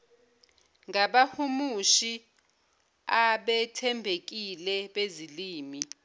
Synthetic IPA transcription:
ŋaɓahumuʃi | aɓɛtʰɛmbʱek̬ilɛɓeziliːmi

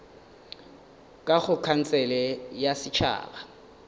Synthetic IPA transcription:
kʼaɣʊkʰan̩t͡sʼɛlɛjasɪt͡ʃʰa̰ːba

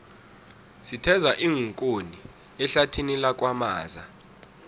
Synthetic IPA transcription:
sitʰɛzaʔiŋʱuŋkʼoni | ɛɬatʰinilak̬ʼwamaːza̰

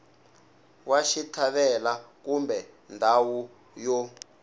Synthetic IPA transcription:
waʃitʰaβɛlakumbɛ | ndʱawu | jɔ

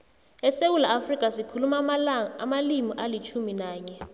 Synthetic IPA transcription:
ɛsewulaafrikʼasikʰulumaamalimiʔalit͡ʃʰuminaːɲɛ

